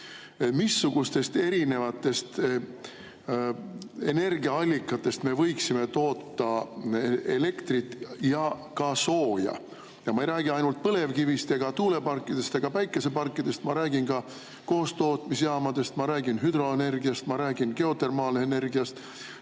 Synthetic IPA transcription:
misːuɡ̥ust̪e̞st̪e̞ɾine̞vɑt̪ːˑe̞st̪ | e̞ne̞rɡiɑɑlʲːikːˑɑt̪ːˑe̞st̪me̞vɤ̞jksime̞t̪o̞ːt̪ːɑ | e̞le̞kt̪rit̪jɑkɑso̞ːjɑ̰ | jɑmɑejɾæːɡ̥iɑjnult̪̚pɤle̞vkivist̪jeɡ̥ɑt̪uːle̞pɑrkːˑid̪̥e̞st̪eɡ̥ɑpæjkˑːe̞se̞pɑrkˑːid̪̥e̞st̪mɑɾæːɡinkɑ | ko̞ːst̪o̞ːt̪misejɑːmɑd̪̥e̞st̪mɑɾæːɡinɦyd̪̥ɾo̞ene̞rɡiɑst̪mɑɾæːɡ̥inke̞o̞t̪e̞rmɑːleene̞rɡiɑst̪

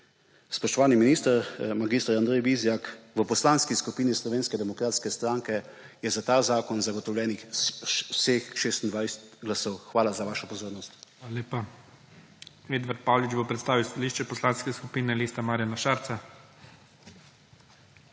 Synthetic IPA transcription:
spɔʃt̪ɔʋaːniminiːst̪əɾmaɡist̪əɾand̪ɾɛjbizjakʋəpɔslaːnskiskupiːnislɔʋeːnskɛd̪ɛmɔkɾaːt̪skɛst̪ɾaŋkɛ | jɛzat̪aːzaːkɔnzaɡɔt̪ɔwlʲɛːnix | sexʃeːst̪nd̪ʋajsɛt̪ɡlasɔwxʋaːlazaʋaːʃɔpɔzoːɾnɔst̪xaleːpa | eːd̪ʋaɾt̪̚pawlid͡ʒbopɾɛt̪st̪aːʋiwst̪aliʃt͡ʃɛpɔslanskɛskupiːnɛlist̪amaːɾjanaʃaːɾt̪sa

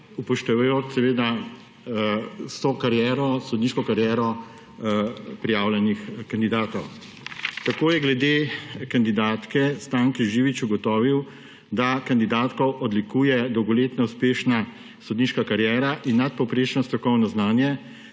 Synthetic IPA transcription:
upɔʃt̪ɛʋjoːt̪sɛʋeːd̪a | st̪okaɾjɛɾɔsɔd̪niːʃkɔkaɾjɛɾɔ | pɾijaːwlʲjɛnixkand̪id̪aːt̪ɔw | t̪akoːjɛɡlɛd̪eːkand̪id̪aːt̪kɛst̪aːŋkiʒiːʋit͡ʃuɡɔt̪ɔːʋiw | d̪akand̪id̪aːt̪kɔwʔɔd̪likuːjɛd̪ɔwɡɔleːt̪nɔuspeːʃna | sɔd̪niːʃkakaɾjɛːɾaʔinːat̪̚pɔwpɾeʃnɔst̪ɾɔkɔwnɔznaːnjɛ

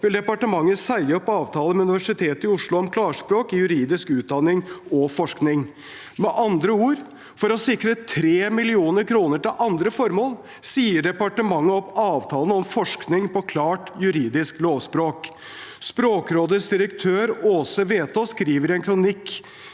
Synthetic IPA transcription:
ʋɪld̪ɛpɑʈəmɑŋːəsæɪəɔpːɑːʋt̪ʰɑːləmɛʉnɪʋæʂɪt̪ʰeːt̪əɪʊʂlʊɔmkʰlɑːʂpɾoːkɪjʉɾiːd̪ɪskʉːt̪̚d̪ɑnːɪŋɔfɔʂknɪŋ | mɛʔɑnd̪ɾəuːɾ | fɔɾɔsɪkɾət̪ʰɾeːmɪlɪuːnəɾkʰɾuːnəʈɪlʔɑnd̪ɾəfɔɾmoːl | siːəɖɛpɑʈəmɑŋːəɔpːɑːʋt̪ʰɑːlnəɔmfɔʂknɪŋpɔkʰlɑːʈjʉɾiːd̪ɪskloːʋspɾoːk | spɾoːkɾoːd̪əsd̪ɪɾəkt̪ʰøːɾoːsəʋeːt̪ʰoːskɾiːʋəɾɪɛnkʰɾʊnɪkː

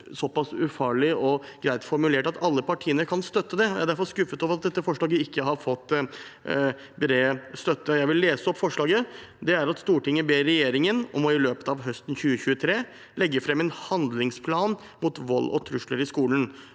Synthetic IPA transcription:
sɔpɑsʉfɑːɭɪʔɔɡ̥ɾæɪt̪fɔɾmʉleːʈɑt̪ɑlːəpɑʈʰiːənəɾkʰɑnst̪œt̪ːəd̪ɛæɖæɾfɔɾskʉfːət̪oːʋəɾɑt̪̚d̪ɛt̪ːəfɔʂɭɑːɡəɪkːəɦɑɾfɔt̪ː | bɾeːst̪œt̪ːəjæɪʋɪlːeːsəɔpːfɔʂɭɑːɡəd̪ɛæɾɑt̪st̪uːʈɪŋːəbeːɾːɛjeːɾɪŋənɔ̰mɔɪløːpə̥t̪ɑʋɦœst̪n̩çʉːəçʉːət̪ʰɾeː | lɛɡːəfɾɛmːɛnhɑnd̪lɪŋspʰlɑːn | mut̪ʋɔlːʔɔ̰t̪ʰɾʉʂləɾɪskuːln

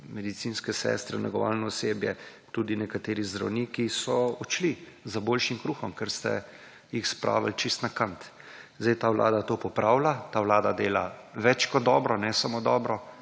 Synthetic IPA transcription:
mɛd̪it̪sinskɛsɛ̰st̪ɾɛ̰nɛ̰ɡɔʋa̰ːlnɔɔseːbjɛt̪ud̪inɛkat̪eːɾizd̪ɾa̰wnikisɔɔt͡ʃli | zəboːlʃimkɾuːxɔmkɛɾst̪ɛ̰ | jixspɾʔa̰ːʋa̰lt͡ʃist̪nakant̪ | zd̪ɛjt̪aːwlʔa̰ːd̪at̪oːpɔpɾaːwlat̪aːwlaːd̪ad̪eːlaʋɛt͡ʃkɔd̪̚d̪ɔːbɾɔnɛsamoːd̪ɔbɾɔ

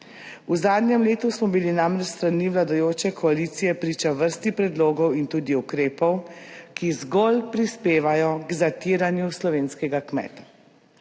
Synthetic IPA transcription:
uzaːd̪nʲjɛmleːt̪usmɔbilinamɾɛt͡ʃst̪ɾaniʋlad̪ajoːt͡ʃɛkʰɔalit̪sijɛpɾiːt͡ʃaʋəɾst̪ipɾɛd̪loːɡɔwint̪uːd̪iukɾeːpɔwkizɡolpɾispeːʋajɔɡzat̪iːɾanjuslɔʋeːnskɛɡakmɛ̰ːt̪ḁ

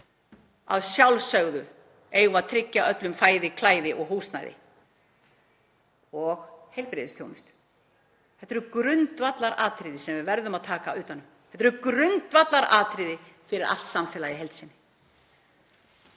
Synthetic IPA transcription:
a̰ðsjawlsœɣðʏ | ejɣmat̪ʰɾɪcːaʔœt̪lʏmfaːjðɪkʰlaːjðɪʔɔɣɦuːwst̪na̰jðɪ̰ | ɔɣhejlpɾɪðɪst̪ʰjownʏst̪ | ɛ̥t̪ːɛɾʏkɾʏnt̪vat̪laɾʔaːt̪ɾiðɪsɛmvɪvɛɾðʏmaðt̪ʰaːkaʏːt̪hanːʏm | ɛt̪ːɾʏkɾʏnt̪vat̪laɾa̰ːt̪ɾɪðɪfɪɾɪɾʔa̰l̥t̪samfɛːlajɪɦɛlt̪sɪnːɪ̥

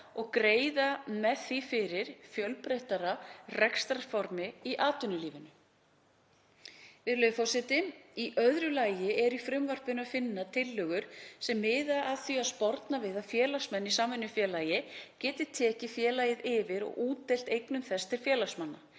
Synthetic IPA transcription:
ɔɣkɾeːjðamɛθifɪɾɪɾ̥fjœlpɾejht̪aɾarɛkst̪ɾafɔɾmɪiʔaːt̪ʏnːʏliːvɪnʏ | vɪðlœːfɔwsɪt̪ɪiʔœðɾʏlaːjɪɛɾifɾʏmvar̥pɪnʏafɪnːat̪ʰɪlːœːɣʏɾ̥sɛmːɪːðaʔaðθiaðspɔɾt̪navɪðafjɛːlasmɛnːisaːmvɛnːʏfjɛːlaːjɪcɛːt̪ɪ̥t̪ʰɛːcɪfjɛːlajɪðɪvɪɾɔ̰ɣʔuːt̪ejl̥t̪ejknʏmθɛst̪ʰɪl̥fjɛːlasmanːa

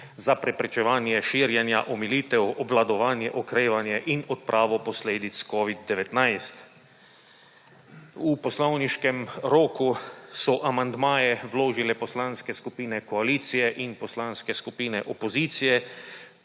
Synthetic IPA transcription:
zapɾɛpɾɛt͡ʃɛʋaːnjɛʃiːɾjɛnja̰ʔɔmiliːt̪ɛwɔblad̪ɔʋaːnjɛʔɔkɾeːʋanjɛʔinɔt̪̚pɾʔaːʋɔpɔsleːd̪it̪skɔːʋid̪d̪ɛʋɛt̪najst̪ | upɔslɔwniʃkɛmɾoːkusɔʔamand̪maːjɛʋloːʒilɛpɔslaːnskɛskupiːnɛkɔaliːt̪sijɛʔinpɔslaːnskɛskupiːnɛʔɔpɔziːt̪sijɛ

